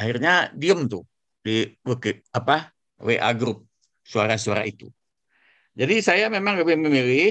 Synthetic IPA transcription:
ahirɲadiəmt̪u | diwəkapa | weʔa̰ɡɾup̚ | suaɾasuaɾa̰ʔit̪ṵ | d͡ʒadisajamemaŋɡabɛməmilɪ

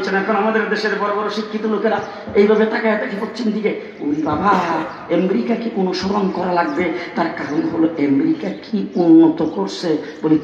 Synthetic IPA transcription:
t͡ɕʰenɛɾkʰonamad̪eɾd̪eʃeɾbɔɾobɔɾoʃikʰːit̪olokeɾa | ejbʱabet̪akaat̪akʰepot͡ɕimd̪ike | unibabʱaɦa | emɾikakeʔunuʃɔɾonkɔɾalaɡ̚bet̪aɾkaɾonɦoloʔemɾikakʰiunːot̪okoɾsʰeboli

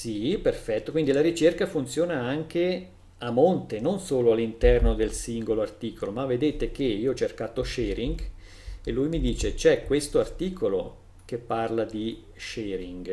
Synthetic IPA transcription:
siperfɛt̪ːokwind̪ilaɾit͡ʃerkafunt̪sjoːnaaŋk̟e | amːont̪enonsoːloalːint̪ɛrnod̪elsiŋɡoloart̪iːkʰolomavːed̪eːt̪ek̟eiːoɔt͡ʃːerkaːt̪oʃɛːɾiŋɡ | elːujmid̪iːt͡ʃet͡ʃɛkːwest̪oart̪iːkʰolo | kepːarlad̪i | ʃɛːɾiŋɡ

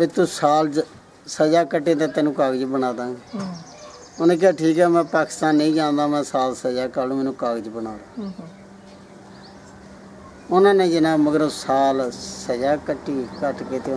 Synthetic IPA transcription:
bɪt̪uːsaːl | səd͡ʒaːkəʈːẽːt̪ãːt̪ɛːnũːkaːɡd͡ʒbənaːd̪ãː | ʊnẽːk̬aːʈʰiːkɛːmɛ̃ːpaːkɪ̥st̪aːnːəĩːd͡ʒãːnd̪aːmɛ̃ːsaːlsəd͡ʒaːkaːlũːmɛːnũːkaːɡd͡ʒbənaːd̪aː | ʊnãːneːd͡ʒɪnãːməɡəɾosaːlsəd͡ʒaːkəʈːiːkəʈkeːt̪eː

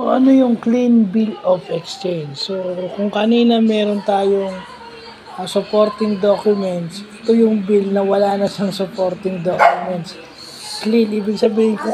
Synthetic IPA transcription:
ʊŋɐnojʊŋklinbilofɛkst͡ʃɛjnd͡ʒːokʊŋkɐniːnɐmɛːɾont̪aːjoŋ | ʔɐsʊpo̞ɾt̪ɪŋd̪okjʊmɛnt̪sɛt̪ojʊŋbilnɐwɐlanɐʃɐŋsʊpoɾt̪ɪŋd̪okjʊmɛnt̪s | klinʔiːbɪɡ̚sɐbiːhɪŋk

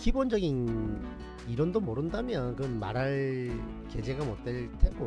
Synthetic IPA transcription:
kibond͡ʑʌɡin | iɾʌndomoɾɯndamjʌnkɯʌnma̰ɾaɭ | ke̞d͡ʑe̞ɡamot͈̚eɭt͈ʰeɡo

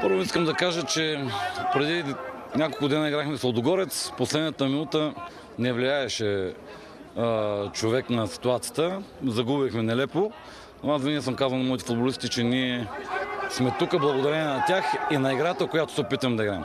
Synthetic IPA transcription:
pɤɾvoiskəmd̪ɐkaʒət͡ʃɛpɾɛd̪inʲakolˠkʊd̪ɛnəiɡɾaxmɛsɐld̪oɡɔɾɛt̪sposlɛd̪nət̪əminut̪ə | nɛvliaɛʃɛ | t͡ʃovɛknɐsi̥t̪uat̪sijət̪əzɐɡubixmɛnɛlɛpo | noasvinis̬əmkazvɐlnmɔit̪ɛ̥fʊd̪̚bolist̪it͡ʃɛniɛ | smɛt̪ukəblˠɐɡod̪ɐɾɛnʲɛnɐt̪ʲjaxinɐiɡɾat̪əkojat̪o̥sɛopit̪vɐmd̪ɐiɡɾaɛm

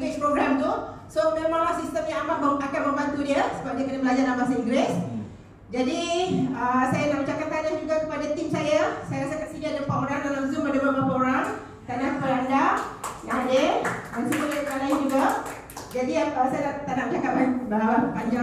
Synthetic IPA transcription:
ɡɛt͡ʃpɾoɡɾamt̪usomẽmãŋlahsist̪əmjãŋamaʔbəakanbəmbant̪udiəsəbap̚diəkənəbəlad͡ʒaʔamasiŋɡɾɪs | d͡ʒadiəsajanaɾut͡ʃakant̪anahd͡ʒuɡakə̥padat̪imsajasajaɾasəkant̪iɡaadapaɾandalamzumbadamamapaoɾaŋ | t̪anahpəɾandajaanedansuməlməalaid͡ʒuɡa | d͡ʒadiəsajadat̪anaʔ̚d͡ʒakaʔ̚anbaaapaɲd͡ʒa

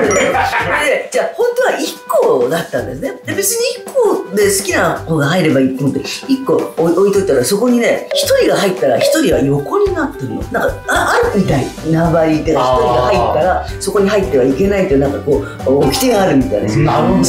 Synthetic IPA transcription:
ɾɯened͡ʑaahõ̞nt̪o̞βaʔikːo̞ːd̪at̪ːãnd̪e̞sɨne̞d̪e̞be̞t͡sɨɲ̟iikːo̞ːd̪e̞sɨ̥kʲinahoːɡaɦaiɾe̞baiːt̪omot̪ːeikːo̞oit̪o̞it̪ːaɾaso̞ko̞ɲ̟ine̞çi̥t̪o̞ɾʲiɡaɦait̪ːaɾaçi̥t̪o̞ɾʲiβajo̞ko̞ɲ̟inat̪ːemmo̰nãŋkaaʔaɾɯ̟mʲit̪ainabaɾʲit̪ːekaçi̥toɾʲiɡahait̪ːaɾa | so̞ko̞ɲ̟iɦait̪ːe̞βaike̞nait̪ːojnãŋkakoː | kʲi̥t̪e̞ɡaːɾɯ̟mʲit̪aid̪s

